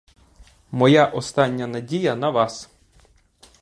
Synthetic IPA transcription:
mɔjaʔɔst̪ɑnʲːɐnɐdʲijɐnɐʋɑs

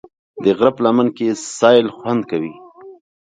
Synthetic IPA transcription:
d̪əɣɾaplamankesɑjlxwand̪̚kawi

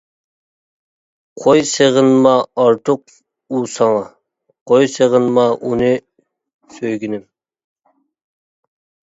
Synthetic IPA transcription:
qʰojseʁɨnmɑːɾt̪ʰuq̚ | usɑŋɑ | qʰojseʁɨnmɑʔunɨ | søjɡʲinɪm

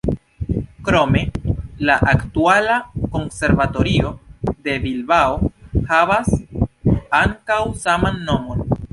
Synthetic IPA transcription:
kɾo̞me̞laʔaktualako̞nse̞ɾvato̞ɾio̞de̞vilbaohavas | aŋkawsamanːo̞mo̞n

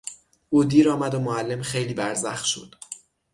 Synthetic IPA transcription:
ʔuːd̪iːɾɒːmæd̪omoælːe̞mxe̞jliːbæɾzæxt̪ʃo̰d̪̥

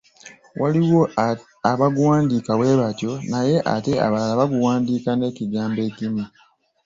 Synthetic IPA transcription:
wʔaliwo̞ | aβaɡuwaːndiːkawe̞ːβatjo̞naje̞ʔa̰te̞a̰βalalaβaɡuwaːndiːkane̞ːciɡaːmbe̞ːcimi

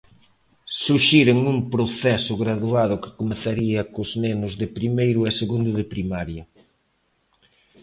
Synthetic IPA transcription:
suʃiɾɪŋuŋpɾoθɛsʊɣɾaðuaðʊkɪ̥komeθaɾiɐkʊznenʊzðɪpɾimejɾʊɛseɣund̪ʊðɪpɾimaɾjɐ

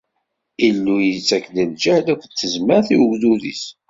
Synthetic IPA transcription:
ilːujət͡sːækləld͡ʒæhlækʷət̪ːəzməɾθiwəɡðuðḭs

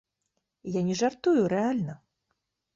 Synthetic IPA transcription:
janʲɛʐart̪ujuɾɛalʲnɐ

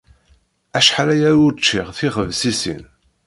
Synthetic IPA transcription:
æʃħaɾæjæʊɾt͡ʃːiʁθiχəvsisḭn

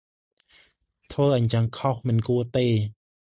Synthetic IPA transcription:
t̪ʰʋəːʔaɲt͡ɕaŋkʰɔhmɨnkuət̪eː

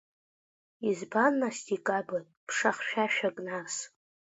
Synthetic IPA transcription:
izbanːastʼikʼabatʼpʰʂaχʃᶣaʃᶣakʼnars

